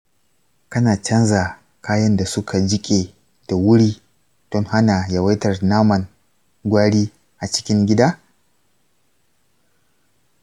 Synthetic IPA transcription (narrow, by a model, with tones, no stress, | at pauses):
kɐ˦naː˨t͡ʃɐ˦nza˨ | kaː˦jɐ˦nda˨sʊ˦kʰa˨d͡ʒɪ˦kʲʼe˨ | d̥a˨wʊ˦ɽiː˦ | d̥ɔ˦ŋha˦naː˨jɐ˨wɐ˦tɐ˨rnaː˦mɐ˨ŋ | ɡʷaː˦ɽiː˦ | ʔa˨t͡ʃɪ̥˦kʲɪ˦ŋɡʲɪ˦daː˦